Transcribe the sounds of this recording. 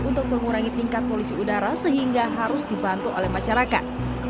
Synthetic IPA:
unt̪ʊk̚məŋuɾaŋit̪iŋkat̪̚polisiudaɾasəɦiŋɡaɦaɾʊsdibant̪uʔolɛhmaʃaɾakat̪̚

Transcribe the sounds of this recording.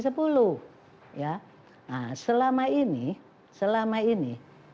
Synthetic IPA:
s̬əpulu | ja | asəlamaini | səlamaini

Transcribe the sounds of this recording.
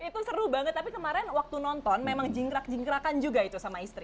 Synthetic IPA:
it̪usəɾubaŋət̪ːapikəmaɾɛnwak̚t̪unɔnt̪ɔnmemaŋd͡ʒiŋɡɾak̚d͡ʒiŋɡɾakand͡ʒuɡait̪usamaist̪ɾi

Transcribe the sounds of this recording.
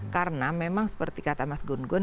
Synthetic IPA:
kaɾənamemaŋsə̥pərt̪ikat̪amasɡunɡɔn

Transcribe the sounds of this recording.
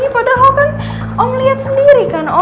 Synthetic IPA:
ipadaɦɔkan | ʔɔŋliat̪̚səndiɾikanɔ

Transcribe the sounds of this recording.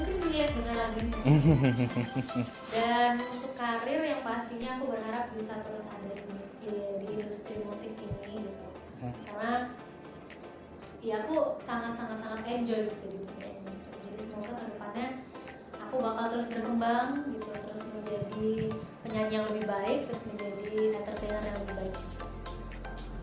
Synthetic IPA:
mukɪniat̪̚dəŋanlaɡuit̪ | danunt̪ʊkːaɾɪrjaŋpast̪iɲaːkubərɦaɾap̚bisat̪əɾʊsadadimu | idiːndust̪ɾimusɪkiniɡit̪u | karna | jaːkusaŋat̪saŋat̪saŋat̪ɛɲd͡ʒɔjɡit̪udit̪uk̪aa̰ɲd͡ʒɔjɡit̪ud͡ʒadisəmuak̪at̪əndəpanɲa | akubakalt̪əɾʊsbərkəmbaŋɡit̪ut̪əɾʊsməɲd͡ʒadipəɲaɲijaŋləbɪhbaɪk̚t̪əɾʊsməɲd͡ʒadiʔɛnt̪ərt̪enərjaŋləbɪhbaɪk̚ɡit̪u

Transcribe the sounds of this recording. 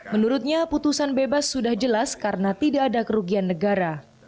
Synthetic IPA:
mənuɾʊt̪̚ɲaput̪usanbebasːudahd͡ʒəlaskaɾənat̪idaʔːdakəɾuɡianːəɡaɾa

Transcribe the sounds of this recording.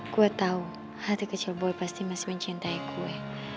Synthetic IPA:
kuɛt̪au | hat̪ikət͡ʃilboɛpast̪imasi̥məɲt͡ʃint̪aikʰuɛ

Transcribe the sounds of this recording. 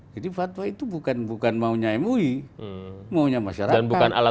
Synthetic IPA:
d͡ʒadifat̪wait̪ubukanbukanmauɲaɛmui | mauɲamaʃaɾadanbukana̰la

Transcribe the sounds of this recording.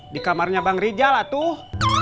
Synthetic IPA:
dikamarɲabaŋrid͡ʒalat̪uh

